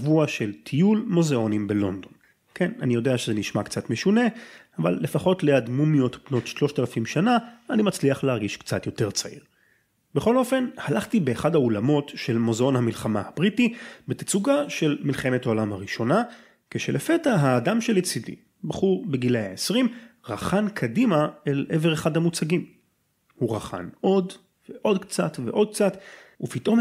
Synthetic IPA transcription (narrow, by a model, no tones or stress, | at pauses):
vuaʃe̞ltʰijulmozeo̞nimbelo̞ndo̞n | kʰena̰nijo̞deaʃezeniʃmakt͡satmeʃune̞ava̰lːe̞faχo̞tleadmumijotbno̞tʃlo̞ʃt̪alafimʃanaːnimat͡sliaχleɦaʁɡiʃkt͡sat̪jo̞te̞ʁt͡saḭʁ | beχo̞lo̞fe̞nhalaχtibe̞ːχadhaoulamo̞tʃe̞lmo̞zeo̞nhamilχamahabʁitibet̪i̥t͡suɡaʃe̞lmilχe̞methaolamhaʁiʃo̞na | keʃelʔefetaɦaːdamʃeljet͡sidḭ | baχuʁbeɡileaesʁimʁaχankʰadimaeleveʁeχadhamut͡saɡim | huʁaχa̰nʔo̞d | veʔo̞dkt͡satve̞̰ʔo̞d̪̚k̚t͡satupitʔo̞m